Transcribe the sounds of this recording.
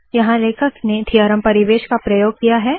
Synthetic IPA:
jɐɦãleːkʰəkned̪ʰʱijaːɾəmpɐɾiʋeːʃkapɾɐjoːɡ̚kijaɦɛː

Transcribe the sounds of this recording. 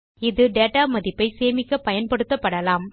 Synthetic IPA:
ɪðɯɖeːʈaːmɐðɪpːɐɪseːmɪkːɐpɐjɐnpɐɽɯt̪ːɐpːɐɽɐlaːm

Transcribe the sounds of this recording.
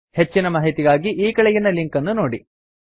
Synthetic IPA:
he̞t͡ʃːinɐmaːɦit̪iɡaːɡiʔiːkɐɭejinːɐliŋkɐnːunoːɽi

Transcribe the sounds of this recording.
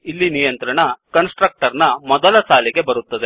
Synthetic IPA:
ilːinijɐnt̪ɾɐɳɐkɐnsʈɾɐk̚ʈɐɾnɐmɔd̪ɐlɐsaːliɡe̞bɐɾut̪ːɐd̪e̞

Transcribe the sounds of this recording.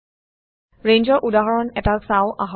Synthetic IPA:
ɹend͡ʒɔɹʔudaɦɔɹɔnɛtasaʊʔaɦ

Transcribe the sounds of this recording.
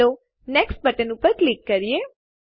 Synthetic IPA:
o | neksʈ̚bəʈənũpəɾklikːəɾije

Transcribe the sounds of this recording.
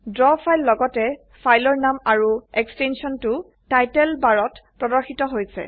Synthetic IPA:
dɹɔpʰajlːɔɡɔtɛ | fʰajlɔɹnamaɹuɛkstɛnsiɔntʊ | tajtɛlbaɹɔtpɹɔdɔɹxitɔɦojsɛ̰

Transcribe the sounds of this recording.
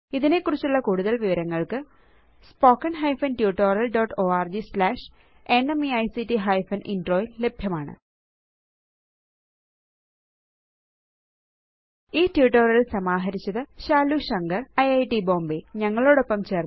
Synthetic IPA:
iðine̞kːurit͡ɕːuɭːɐkuːɽuðɐlʋiʋɐɾɐŋːɐɭkɨ | spo̞ːkːɐnɦɐjfɐnʈjuːʈːo̞ːrjɐlɖoːʈːoːaːrd͡ʑislaːʂ | e̞nemiɐjsiʈːiɦɐjfɐnʔinɖroːjilːe̞bʱjɐmaːɳɨ̰ | iːtjuːʈːoːrjɐlsɐmaːɦɐɾit͡ɕːɐðɨɕaːluɕɐŋɡɐrɐjɐjʈibo̞ːmbiɲɐŋːɐɭo̞ːɽo̞pːɐmt͡ɕe̞ːr

